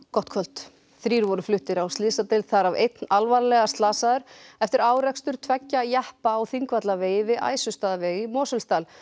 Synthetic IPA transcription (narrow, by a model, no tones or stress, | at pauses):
kɔht̪kʰvœl̥t̪ | θɾiːɾvɔɾʏflʏht̪ɪɾawst̪lɪðsat̪ɪlθaɾavejt̪nalvaɾlɛɣast̪laːsaðʏɾ̥ɛft̪ɪɾaːwɾɛkst̪ʏɾ̥t̪ʰvɛcːajɛhpaːwθiŋkvat̪laveːjvɪʔa̰ːjsʏst̪aːðaveːjɪmɔːsʏlst̪aːl